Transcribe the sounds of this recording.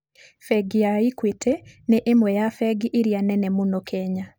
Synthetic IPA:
fɛɡijaikwetʰeneʔemwɛjafɛɡiʔiɾianɛnɛmonokʰɛɲa

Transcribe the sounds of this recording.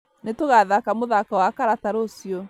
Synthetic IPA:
netoɣaðakamoðakawakaɾataɾosjɔ

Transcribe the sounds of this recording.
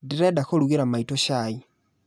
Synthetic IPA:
diɾedaxoɾuɣiɾamaitoʃai

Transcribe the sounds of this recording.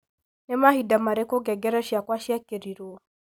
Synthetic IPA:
nɛmahidamaɾɛkɔɡɛɡɛɾɛʃiakwaʃiakeɾiɾuɔ

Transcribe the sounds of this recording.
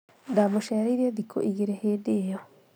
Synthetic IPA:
ndamoʃɛːɾeiɾieðikʰo̰ʔiɣeɾeheːdejɔ

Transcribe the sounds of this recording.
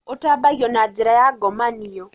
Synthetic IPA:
otabaɣjɔnad͡ʒiɾajaɡɔmanijɔ

